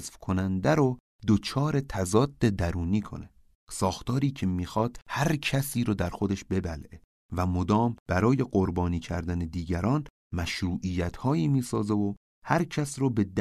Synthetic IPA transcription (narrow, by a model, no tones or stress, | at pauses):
zfkʰonænd̪æɾo | d̪ot͡ʃʰɒːɾe̞t̪ʰæzɒːd̪ːe̞d̪æɾuːniːkʰo̞̰ne | sɒːxt̪ɒːɾiːcʰemiːxɒːd̪̥̚hæɾcʰæsiːɾoːd̪æɾxo̞d̪eʃbe̞bælʔe | væmod̪ɒːmb̥æɾɒːje̞ɢoɾbɒːniːcʰæ̰ɾd̪æned̪iːɟæɾɒːn | mæʃɾuːʔijæt̪ʰhɒːiːmiːsɒːzevo | hæɾcʰæsɾobe̞d̪